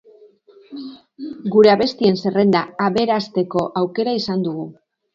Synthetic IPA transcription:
ɡuɾe̞aβe̞st̪ie̞nse̞re̞nd̪aːβe̞ɾast̪e̞ko̞ʔawke̞ɾaisand̪uɣu

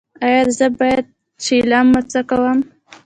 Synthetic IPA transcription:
ɑjɑɾzəbɑjad̪̚ | t͡ʃilɑmːat͡sakawəm

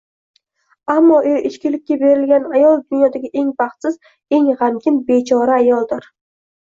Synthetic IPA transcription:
amːɒʔoʔɪt͡ʃkʲɪlɪkʲːabe̞ɾɪlɡʲanajɒlˠd̪ʊnjɒd̪aɡʲɪʔe̞ŋbaχt̪sɪz | e̞ŋʁamkʲɪnbe̞t͡ʃʰɒɾaːjɒlˠd̪ɪɾ

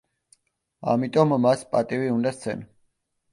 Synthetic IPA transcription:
a̰mit̪ʼɔmːaspʼat̪ʼiviund̪ast̪sʰɛ̰n

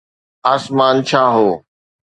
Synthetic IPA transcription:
aːsmaːnt͡ʃʰaːɦoː

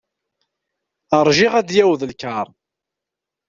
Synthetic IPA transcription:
əɾˤʒiʁæd̪jæwðəlkaɾˤ

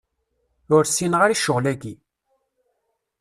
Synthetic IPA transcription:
ʊɾsinʁaɾiʃʊʁlæɡi

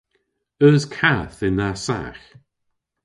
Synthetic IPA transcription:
əskʰaθɪnasa̰x

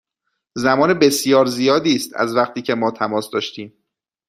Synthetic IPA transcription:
zæmɒːnebe̞sjɒːɾzijɒːd̪iːst̪æ̰zvæχt̪ʰiːcʰe̞mɒːt̪ʰæmɒːsd̪ɒːʃt̪iːm

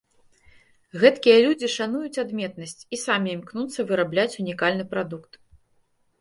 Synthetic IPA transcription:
ɣɛt̪kʲijɐlʲud͡zʲiʂanujut͡sʲad̪mʲɛt̪̚nɐsʲt͡sʲisamʲimknut̪sːɐvɨɾablʲat͡sʲunʲikalʲnɨpɾad̪ukt̪

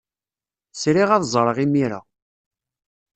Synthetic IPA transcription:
sɾiʁæðzˤɾˤəʁimiɾa̰

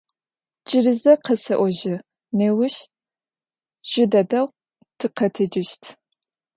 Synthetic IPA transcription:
t͡ʃʼɪrɨzɐqʰɐsɐʔʷɔʒɪ | neːwʊʃ | ʒ̥ɪdɐdɐw | tʰɨqɐtʰɨd͡ʒɪʃtʰ

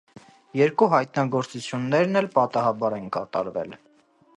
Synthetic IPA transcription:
jɛɾkuɦɑjt̪nɑɡɔɾt͡sut͡sʰjunːɛɾnɛlpɑt̪ɑɦɑbɑɾɛnkɑt̪ɑ̰ɾvɛ̰l

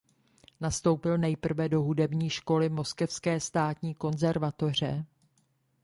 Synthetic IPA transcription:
nast̪o̞wpɪlnɛjpr̩vɛdo̞ɦudɛbɲiːʃko̞lɪmo̞skɛfskɛːst̪aːt̪ɲiːko̞nzɛɾvat̪o̞r̝ɛ̰

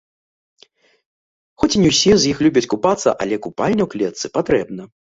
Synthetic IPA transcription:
xɔt͡sʲinʲɛwsʲizjixlʲubʲɐt͡sʲkupat̪sːɐ̰ʔɐ̰lʲɛkupalʲnʲɛwklʲɛt̪sɨpat̪ɾɛbnɐ

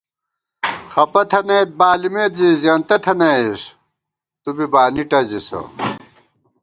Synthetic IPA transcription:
xɐpɐt̪ʰɐnɐbaːlimet̪zizɐnt̪ɐt̪ʰɐnɐiʂ | t̪ubibaːniʈɐzisɐ̰

